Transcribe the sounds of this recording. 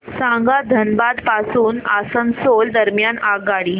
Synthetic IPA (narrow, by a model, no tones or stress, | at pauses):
sãŋɡad̪ʱənbad̪pasuːna̰sənsold̪əɾmjanaɡaɽiː